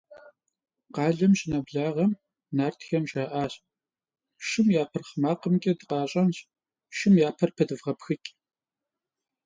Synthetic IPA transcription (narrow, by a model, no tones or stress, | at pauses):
qɑːɮɐmɕʼɪnɐbɮaːʁɐm | naːrtʰxɐmʒaːʔaːɕ | ʃɪmjaːpʰɐrχmaːqəmɡʲʼɐdɨqɑːɕʼɐnɕ | ʃɪmjaːpʰɐrpʰɐdɨvʁɐpxɨkʲʼ